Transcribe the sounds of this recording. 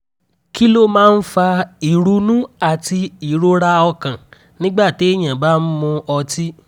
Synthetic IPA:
ki˦lo˦mãː˦˧n̩˦fa˧i˨ɾu˧˦nũ˦a˨ti˧i˨ɾo˦ɾa˧ɔ˧kã˨ | nĩ˦ɡ͡ba˦˨te˨˦i˦˨j̃ã˨ba˨˦n̩˦mũ˧ɔ˧ti˦

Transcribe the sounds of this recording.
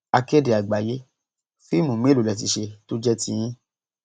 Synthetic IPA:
a˧ke˦de˨a˨ɡ͡ba˨je˦ | fi˦mũ˨mĩ˨˦˨lo˨lɛ˧˨t̬i˧ʃe˧to˦d͡ʒɛ˦tĩ˧˦jĩ˦

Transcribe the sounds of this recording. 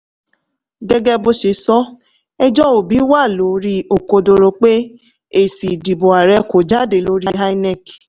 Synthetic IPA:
ɡɛ˧ɡɛ˧bo˧ʃe˧˦sɔ˦ | ɛ˦d͡ʒɔ˦o˨bi˨˦wa˦˨lo˨˦ɾi˦o˨ko˧do˧ɾo˧k͡pe˦ | e˨si˨di˨bo˨a˨ɾɛ˧ko˨d͡ʒa˦de˨lo˧˦ɾi˦ɦa˦i˦nɛ˦˨k

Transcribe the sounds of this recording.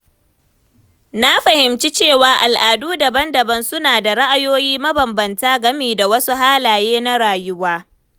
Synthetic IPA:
na˦ɸɐ˨hɪ˨mt͡ʃi˦t͡ʃeː˦˨waː˨ʔa˨lʔaː˨duː˦dɐ˨bɐ˦ndɐ˨bɐ˦nsʊ˦naː˨da˨ɽa˦ʔa˨joː˦jiː˦mɐ˦bɐ˨mbɐ˨ntaː˦ɡɐ˦miː˨da˨wɐ˦su˦ɦaː˦laː˨jeː˦na˦ɽaː˨jʊ˦waː˦

